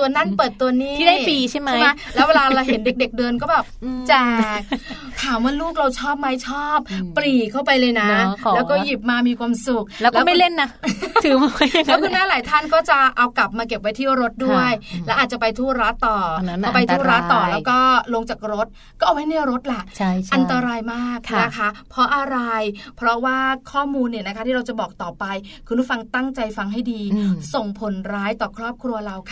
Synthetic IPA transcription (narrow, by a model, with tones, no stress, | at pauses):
t̪u˧ɐna˥˩npɤː˨˩t̪ːu˧ɐniː˥˩˦iː˧t͡ɕʰa˥˩jma˥˦m˦˥lɛ˦˥we˧laː˧ɾa˧wɦe˩˦nde˨˩k̚de˨˩k̚dɤː˧nkɔː˥˩bɛː˨˩p̚t͡ɕɛː˨˧˩k̚ | t̪ʰaː˩˦mwaː˧˥luː˥˩k̚ɾa˧wt͡ɕʰɔː˥˩p̚ma˦˥jt͡ɕʰɔː˥˩p̚ːli˨˩kʰːa˥˩wpa˧jlɤː˧jna˦˥ɛː˦˥wkɔː˥˩ji˨˩p̚maː˧miː˧kʰwaː˧msu˨˩k̚lɛː˦˥wlɔː˥˦˥ma˥˩jle˥˩nːa˦˥t̪ʰɯː˨˩˦lɛː˦˥kʰu˧nmɛː˦˥˩laː˨˩˦jt̪ʰa˥˩nkɔː˥˩t͡ɕa˨˩ʔa˧wkla˨˩p̚maː˧ke˨˩p̚wa˦˥jt̪ʰiː˥˩ɾo˦˥t̪̚du˥˩əjlɛː˦˥wʔaː˨˩t̪̚t͡ɕa˨˩pa˧jt̪ʰuː˥˩ɾa˦˥t̪ːɔː˨˩ɔ˥˩pa˧jt̪ʰu˧˥˩ɾa˦˥t̪ːɔː˨˩lɛː˦˥wkɔː˥˩lo˧ŋt͡ɕaː˨˩k̚ɾo˦˥t̪̚ | kɔː˥˩ʔwma˦˥jnɯ˥˩ɾo˦˥t̪̚la˨˩ʔt͡ɕʰʔa˧nt̪a˧ɾaː˧jmaː˥˩k̚ʰna˦˥kʰa˦˥pʰɔ˦˥ʔa˧ɾa˧jpʰɾɔ˦˥waː˥˩kʰɔː˥˩muː˧nːi˧˩ɐna˦kʰa˦t̪ʰiː˥˩ɾa˧wt͡ɕa˨˩bɔː˨˩k̚t̪ɔː˨˩pa˧jkʰu˧npʰu˦˥˩fa˧ŋt̪a˥˩ŋt͡ɕa˧jfa˧ŋɦa˥˩jdiː˧so˨˩ŋpʰo˨˩˦nɾaː˦˥jt̪ɔː˨˩kʰɾɔː˥˩p̚kʰɾu˧ɐɾa˧wkʰa˧˩